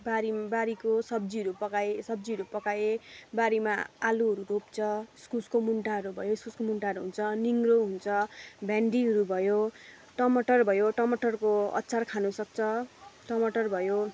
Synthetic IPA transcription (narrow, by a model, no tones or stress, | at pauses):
baɾibaɾikosʌb̚d͡ziɦʌɾupʌkajesʌbd͡ziɦʌɾupʌkajebaɾima̰aluɦʌɾuɾopt͡sʰʌskuskomuɳʈaɦʌɾubʱʌjoskuskomuɳʈaʌɾuɦunt͡sʰʌniŋɡroɦunt͡sʰʌbʱaɳɖiɦʌɾubʱʌjo | ʈʌmʌʈʌrbʱʌjoʈʌmʌʈʌrkoʌ̰tːt͡sarkʰanusʌk̚t͡sʰʌʈʌmʌʈʌrbʱʌjo